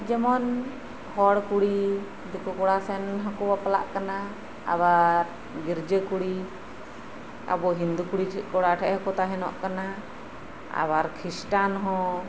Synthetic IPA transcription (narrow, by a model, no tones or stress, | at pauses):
d͡ʒɛmɔn | hɔɽkuɽi | d̪ukɔkɔɽasɛnɦakɔbapala̰ʔkana | a̰waɾ | ɡiɾd͡ʒəkuɽi | a̰bɔɦind̪ukuɽiʈʰkɔɽaʈʰɛʔhəkɔt̪aɦɛnɔ̰ʔkana | a̰waɾkʰɾisʈanɦɔ̃